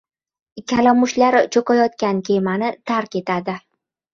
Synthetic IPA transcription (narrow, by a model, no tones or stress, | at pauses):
kʲʰalɒmʊʃlaɾt͡ʃʰokajɒt̪̚kʲankʲʰe̞manɪt̪ʰaɾkʲe̞t̪ad̪ɪ